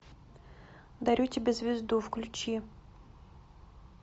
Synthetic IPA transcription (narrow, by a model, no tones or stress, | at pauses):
d̪ɐɾʲutʲɪbʲezvʲɪzd̪ufklʲʉt͡ɕi